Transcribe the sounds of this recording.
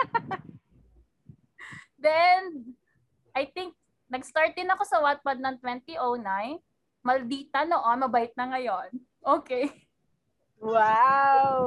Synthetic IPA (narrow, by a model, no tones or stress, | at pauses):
d̪ɛɛnd̪̚ | ʔɐjt̪iŋk̚ | nɐɡst̪aɹt̪̚d̪ɪnɐko̞sɐwat̪̚pɐd̪̚nɐŋt̪wɛnt̪iʔownaj | mɐld̪iːt̪ɐnoʔomɐbɐɪt̪̚nɐŋɐjon | ʔoːkej | waw